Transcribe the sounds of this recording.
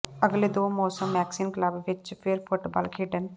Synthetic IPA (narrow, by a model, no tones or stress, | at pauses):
əɡled̪oːmɔːsəmːɛːksɪmkləbʋɪt͡ʃpʰɪɾpʰʊʈbaːlkʰiːɖən